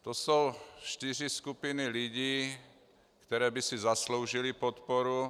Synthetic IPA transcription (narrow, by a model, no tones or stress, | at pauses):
t̪osowʃt̪iriskupiniliɟiː | kt̪ɛɾɛːbisizasloʊʒilipɔt̪pɔɾu